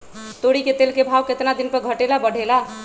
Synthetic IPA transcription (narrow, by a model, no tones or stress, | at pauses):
t̪oɽiket̪elkebʱawket̪nad̪inpəɾɡʱəʈelabəɽ̤ʱela